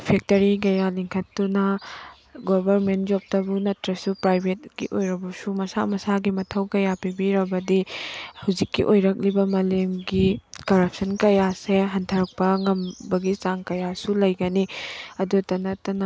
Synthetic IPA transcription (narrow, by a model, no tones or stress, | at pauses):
pʰek̚tɐɾiɡɐjaliŋkʰɐtːunɐ | ɡobɐɾment̚d͡ʒop̚tɐbunɐtɾɐsupɾajbʱet̚ɡ̥ḭʔojɾɐbɐsumɐsa̰mɐsaɡimɐtʰɐwkɐjapibiɾɐbɐdihɐwzikːḭʔojɾɐk̚libɐmɐlemɡikɐɾɐp̚sɐnkɐjaseɦɐntʰɐɾɐk̚pɐŋɐmbɐɡit͡ʃaŋkɐjasulɐjɡɐniɐdutɐnɐtɐnɐ